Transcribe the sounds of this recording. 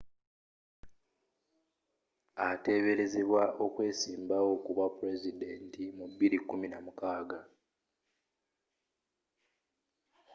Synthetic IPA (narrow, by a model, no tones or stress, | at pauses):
ate̞ːβe̞ɾe̞ze̞βwaʔo̞kwe̞ːsiːmbawo̞kuβapuɾe̞zide̞ntimuβiɾikːuminamukaːɡa